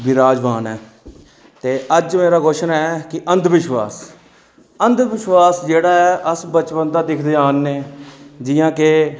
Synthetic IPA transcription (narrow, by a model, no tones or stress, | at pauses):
biɾaːd͡ʒʋaːnɛː | t̪eːʔəd͡ʒmeːɾaːɡoːʃnɛːkɪʔənd̪ʋɪʃwaːs | ənd̪ʋɪʃʋaːsd͡ʒeːɽaːɛːʔəsbət͡ʃpənd̪aːd̪ɪkʰd̪eːaːnːeːd͡ʒɪjãːkeː